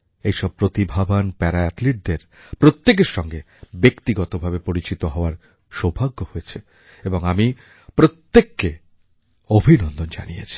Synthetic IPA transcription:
ejʃɔb̚pɾot̪ibʱabanpɛɾaɛt̪liʈ̚d̪eɾ | pɾot̪ːek̬eɾʃɔŋɡe | bekt̪iɡɔt̪obʱabepoɾit͡ɕit̪oɦɔoaɾ | ʃobʱaɡːohojet͡ɕʰe | eboŋami | pɾot̪ːekːe | obʱinɔnd̪ʱond͡ʑa̰nijḛt͡ɕʰi̥

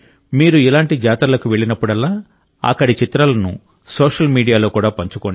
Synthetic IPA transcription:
miːɾuilaːɳʈid͡ʒaːt̪ɐlɐkuʋe̞ɭːinɐpːuɽɐlːaː | ɐ̰kːɐɽit͡ʃit̪ɾɐlɐnṵ | soːʂɐlmiːɽijaːlo̞ːkuːɽaːpɐɲt͡ʃukoɳ

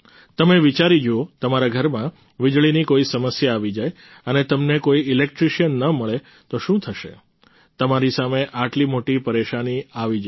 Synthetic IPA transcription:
t̪əmeʋit͡ʃaɾid͡ʒoot̪əmaɾaɡʱəɾmã | ʋid͡ʒɭinikoisəməsjaːʋid͡ʒaj | ənet̪əmnekoiɪlek̚ʈɾiʃijənːəməɭe | t̪oʃũt̪ʰəʃḛ | t̪əmaɾisameʔaʈlimoʈipəɾeʃaniaʋid͡ʒ

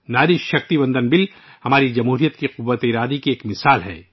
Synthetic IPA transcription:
naːɾɪʃʃɐx̚t̪ibɐ̃nd̪ənbɪl | hɐmaːɾid͡ʒɐmɦuːɾijət̪kiqʊʋːət̪eiɾaːd̪ikieːkmɪsaːlɦɛ̰ː

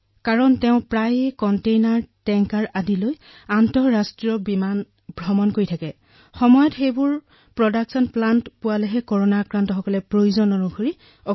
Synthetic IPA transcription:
kaɹɔntɛʊ̃pɹajkɔntejnaɹtɛŋkaɹadiloj | antɔɹastɹiɔbiman | bʱɹɔmɔnkoɹitʰakɛ | xɔmɔjɔtxejbʊɹ | pɹɔdaksɔnplantpʊwalɛɦɛkɔɹonakɹantɔxɔkɔlɛpɹojuzɔnɔnuɡʱoɹi | ɔ

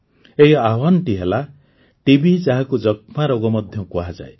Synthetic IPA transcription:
eɦiawɔnʈiɦela | ʈibid͡ʒaɦakud͡ʒɔk̚maɾoɡɔmɔd̪ʱjɔkuɦad͡ʒa̰e

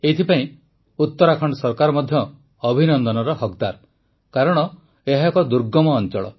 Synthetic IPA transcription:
eit̪ʰipaĩ | ut̪ːɔɾakʰɔɳɖɔsɔɾkaɾɔmɔd̪ʱjɔː | bʱinɔnd̪ɔnɔɾɔɦɔkd̪aɾ | kaɾɔɽ̃ɔ | eɦakɔd̪uɾɡɔmɔːnt͡ʃɔɭɔ̰

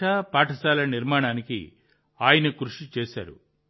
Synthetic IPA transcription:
aːpaːʈɐsaːlɐniɾmaːɳaːnikḭ | aːjɐnɐkɾuʂit͡ʃɛːsa̰ːɾṵ

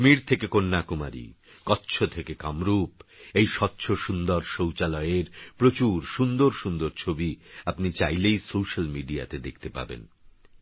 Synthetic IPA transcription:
ʃmiɾt̪ʰekekonːakuma̰ɾḭ | kɔtːɕʰot̪ʰekekamɾupejʃɔtːɕʰoʃund̪oɾʃowt͡ɕalɔeɾpɾot͡ɕuɾʃund̪oɾʃund̪oɾt͡ɕʰobiapnit͡ɕajlejsowʃalmiɖia̰t̪ed̪ek̚ʰt̪epa̰bḛn

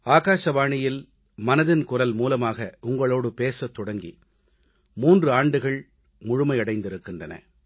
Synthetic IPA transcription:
aːɣaːʂɐʋaːɳɪjɪl | mɐnɐðɪnkʊrɐlmuːlɐmaːɣɐʊŋɡɐɭoːɽɯpeːsɐt̪ːɔɽɐŋɡḭ | muːndrɯaːɳɖɯɣɐɭ | mʊɻʊmɐɪɐɽɐɪnd̪ɪɾɯkːɪndrɐnɐ̰

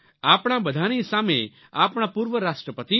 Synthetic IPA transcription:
aːpɽ̃ãbəd̪ʱanisamḛ̃ | aːpɳ̃ãpuɾʋəɾaːsʈɾəpət̪i

